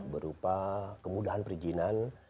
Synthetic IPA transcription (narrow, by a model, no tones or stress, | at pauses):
bəɾupakəmudaɦanpəɾid͡ʒinan